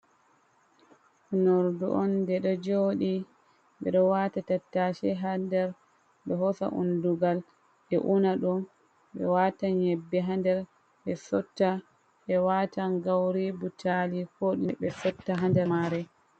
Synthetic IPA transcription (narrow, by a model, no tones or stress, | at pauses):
nɔɾdṵʔɔndɛɗɔd͡ʒoːɗi | ɓɛ̰ɗɔwatatatːaʃɛɦandɛɾ | ɓɛɦɔsa̰ʔṵnduɡal | ʔɛ̰ʔunaɗun | ɓɛwatanjɛbːɛɦandɛɾ | ɓɛsɔtːa | ʔɛwatanɡawɾibutʰalikʰɔɗuɓɛsɔtːaɦandɛmaɾɛ